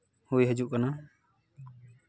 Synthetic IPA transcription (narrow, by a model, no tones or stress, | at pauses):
hujɦəd͡ʒuʔkana